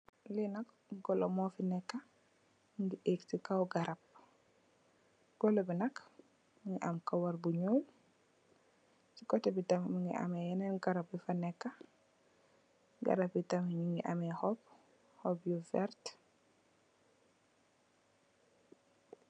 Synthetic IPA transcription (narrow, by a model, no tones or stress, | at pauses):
linak | ɡɔlomɔfinekːa | ŋɡiʔektikawɡaɾap̚ | ɡ̥ɔlobinak | mŋɡiʔamkawaɾbuɲoːl | sikɔtɛbitamimiŋɡḭʔa̰mejɛnenɡaɾap̚bifanekːa | ɡa̰ɾap̚bitamiɲiŋɡiʔamehɔp | hobjufɛɾt